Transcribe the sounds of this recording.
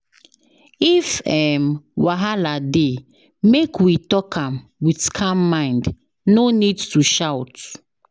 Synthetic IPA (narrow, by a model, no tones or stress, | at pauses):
ifɛmwaɦalade | mekwitɔkʰãmwidkʰãmːãɪ̃nd | nonidtuʃawt